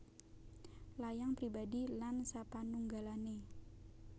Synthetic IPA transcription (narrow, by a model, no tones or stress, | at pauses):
lajaŋpɾibadilansapanuŋɡalane